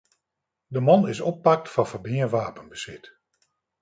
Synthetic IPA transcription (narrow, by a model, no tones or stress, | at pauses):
dəmɔnɪsɔpːɑk̚tfɑnfərbɪəʋaːpənbəsɪt